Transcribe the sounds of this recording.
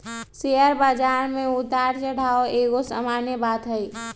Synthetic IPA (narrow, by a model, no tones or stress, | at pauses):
sejəɾbad͡ʒaːɾmẽʊt̪aːɾt͡ʃəɽ̤ʱaoeːɡosamanjəbaːt̪ɦəi